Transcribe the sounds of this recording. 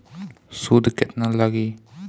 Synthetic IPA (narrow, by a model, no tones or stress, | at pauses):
sud̪kɛt̪̚nalaɡi